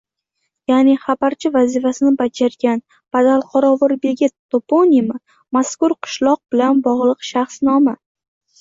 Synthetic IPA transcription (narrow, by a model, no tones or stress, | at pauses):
janiχabaɾt͡ʃʰɪvazifasɪnɪbad͡ʒaɾɡʲan | b̥ad̪alˠqʰɒɾɒvɨɾbe̞ɡʲɪt̪ʰːopʰonʲima | maskʊɾqʰʊ̥ʃlˠɒq̚bɪlanbɒʁlˠɨqʃaχsnɒma